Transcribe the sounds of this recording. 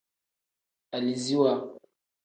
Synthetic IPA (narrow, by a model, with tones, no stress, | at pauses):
a˨li˨zi˦wa˦